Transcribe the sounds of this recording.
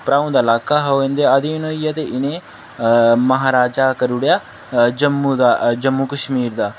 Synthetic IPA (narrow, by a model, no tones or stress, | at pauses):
pɾaːwnd̪ɐlakːaɦɐʋend̪eɐd̪inoijɐt̪eʔine | mɐɦaːɾaːd͡ʒakɐɾuɽjɐ | d͡ʒɐmːud̪ɐd͡ʒɐmːukɐʃmiːɾd̪ɐ